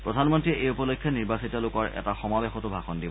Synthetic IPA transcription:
pɹɔdʱanmɔntɹiɛʔejupɔlokkʰːjɔniɹbasitɔlʊkɔɹʔɛ̰taxɔmabexɔtʊbʱaxɔndi

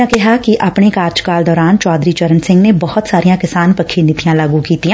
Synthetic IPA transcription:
ãkɪɦakiʔʔapɳekaːɾd͡ʒkaːld̪ɔːɾaːnt͡ʃɔːd̪ɾiːt͡ʃəɾənsɪ̃ŋɡnebɔhʊt̪saːɾijãːkɪsaːnpəkʰːinɪt̪ijãːlaːɡukiːt̪ijã

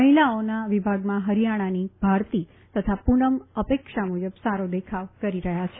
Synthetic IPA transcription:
əɦilaonaʋibʱaɡmãɦəɾijaɽ̃anibʱaɾt̪i | t̪ət̪ʰapuɳəməpekʃamud͡ʒəbsaɾod̪ekʰaʋkəɾiɾəɦjat͡ʃʰe

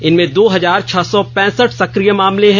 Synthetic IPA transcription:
ɪnmẽd̪oːɦɐzaːɾt͡ʃʰɐsɔpɛ̃ːsəʈʰsɐkɾijəmaːmleɦɛ̃

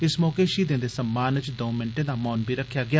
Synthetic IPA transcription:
ɪsmɔːkeːʃiːd̪ɪ̃nd̪eːsəmːaːnɪt͡ʃd̪õːmɪnʈẽːd̪aːmɔːnbiːɾəkʰjaːɡɪjaː

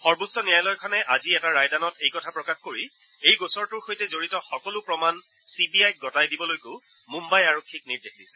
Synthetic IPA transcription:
xɔɹbutsɔnijajlɔjkʰɔnɛʔaziɛtaɹajdanɔtejkɔtʰapɹɔkaxkoɹi | ejɡosɔɹtʊɹxojtɛzoɹitɔxɔkɔlʊpɹɔman | sibiajk̚ɡɔtajdibɔlojko | mumbajaɹokʰːik̚niɹdexdisɛ̥

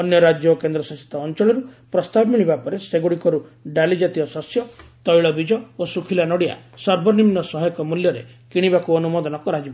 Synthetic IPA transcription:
ɔnjɔɾad͡ʒjɔkend̪ɾɔsasi̥t̪ɔːnt͡ʃɔɭɔɾupɾɔst̪abɔmiɭibapɔɾeseɡuɽikɔɾuɖalid͡ʒat̪iɔsɔsjɔt̪ɔjɭɔbid͡ʒɔosukʰilanɔɽia̰sɔɾbʱɔnimnɔsɔɦɔjɔkɔmuljɔɾḛ | kiɽ̃ibakuɔnumɔd̪ɔnɔkɔɾad͡ʒiba

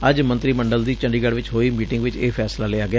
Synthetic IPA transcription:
əd͡ʒmə̃nt̪ɾiːməɳɖəld̪iːt͡ʃə̃ɳɖiːɡəɽʋɪt͡ʃɦoːiːmiːʈɪ̃ŋɡʋɪt͡ʃeːpʰɛːslaːlɪaːɡɪaː

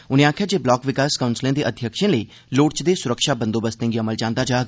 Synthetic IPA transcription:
ʊnĩãːkʰed͡ʒeːblɔːkʋɪkaːskəʊ̃nslẽːd̪eːʔəd̪ʱjəkʃẽləiː | loːɽt͡ʃd̪eːsʊɾəkʃaːbə̃nd̪oːbəst̪ẽŋɡiɐməld͡ʒãːnd̪aːd͡ʒaːɡ

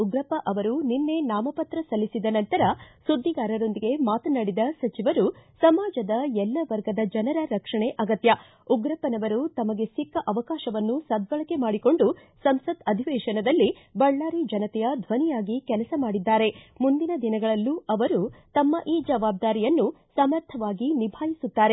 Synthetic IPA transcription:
uɡɾɐpɐʔɐʋɐɾuninːe̞naːmɐpɐt̪ɾɐsɐlːisid̪ɐnɐnt̪ɐɾɐsud̪ːiɡaːɾɐɾo̞nd̪iɡe̞maːt̪ɐnɐɽid̪ɐsɐt͡ʃiʋɐɾusɐmaːd͡ʒɐd̪ɐɛlːɐʋɐɾɡɐd̪ɐd͡ʒɐnɐɾɐɾɐkʂɐɳeʔɐɡɐt̪jɐ | uɡɾɐpɐnɐʋɐɾut̪ɐmɐɡe̞sikːɐʔɐʋɐkaːʃɐʋɐnːusɐd̪ʋɐɭɐke̞maːɽiko̞ɳɖu | sɐmsɐd̪ɐd̪ʱiʋɛːʃɐnɐd̪ɐlːi | bɐɭːaːɾid͡ʒɐnɐt̪ɛjɐd̪ʱʋɐnijaːɡikɛlɐsɐmaːɽid̪ːaːɾe̞mund̪inɐd̪inɐɡɐɭɐlːuɐʋɐɾut̪ɐmːɐʔiːd͡ʒɐʋaːb̚d̪aːɾijɐnːu | sɐmɐɾt̪ʰɐʋaːɡinibʱaːjisut̪ːaːɾe̞

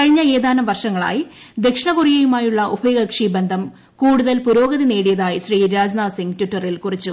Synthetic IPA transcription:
kɐɻiɲːɐe̞ːd̪aːnɐmʋɐrʂɐŋːɐɭa̰ːji | d̪e̞kʂɐɳɐkurijejumaːjuɭːɐʔubʱɐjɡɐkʂibe̞nd̪ʱɐm | kuːɽuðɐlpuɾo̞ːɡɐðine̞ːɽijɐðaːjiɕriːɾaːd͡ʑnaːsiŋɡtwiʈːɐrilkurit͡ɕːu

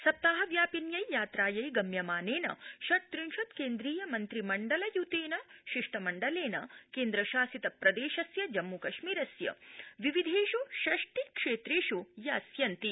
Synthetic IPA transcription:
sɐp̚t̪aːɦɐʋjaːpinjɐjjaːt̪ɾaːjɐjɡɐmjɐmaːneːnɐ̰ʃɐɾt̪ɾinʃɐt̪keːnd̪ɾiːjɐmɐnt̪ɾimɐɳɖɐlɐjut̪eːnɐʃiʂʈɐmɐɳɖɐleːnɐkeːnd̪ɾɐʃaːsit̪ɐpɾɐd̪eːʃɐsjɐd͡ʒɐmːukɐʃmiːɾɐsjɐ̰ʋiʋid̪ʱeːʃuʃɐʂʈikʂeːt̪ɾeːʃujɐːsjɐnt̪i

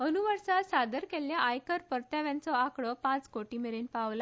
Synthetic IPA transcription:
ənuʋəɾsalsad̪əɾkeljaʔajkəɾpəɾt̪jaʋjãnt͡sɔakɽɔpãt͡skoʈiːmeɾenpaʋla

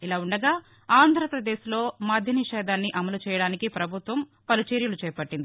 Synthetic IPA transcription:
ilaːuɳɖɐɡaː | aːnd̪ʱɐɾɐpɾɐd̪eːsilo̞ːmaːd̪ʱjɐniʃɛːd̪aːnːiʔɐmɐlut͡ʃɛːjɐɽaːnikipɾɐbʱut̪ʋɐm | pɐlit͡ʃeːɾjulut͡ʃɛːpɐʈːind̪i

